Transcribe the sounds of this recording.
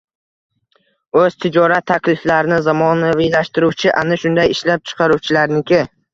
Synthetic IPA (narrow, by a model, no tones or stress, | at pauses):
ɵz̥t̪ʰɪd͡ʒɒɾat̪ʰːakʲlɪflaɾɪnɪzamɒnavilaʃt̪ɪɾuwt͡ʃʰɪʔanɪʃʊnd̪ajɪʃlap̚t͡ʃʰɨ̥qʰɑɾuwt͡ʃʰɪlaɾnɪkʲʰɪ